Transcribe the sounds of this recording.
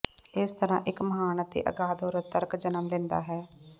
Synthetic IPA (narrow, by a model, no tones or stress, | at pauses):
ɪst̪əɾã̰ːʔɪkməɦaːnət̪ḭːʔə̰ɡaːd̪oːɾət̪əɾkd͡ʒənəmlɛ̃ːnd̪a̰ːɦɛː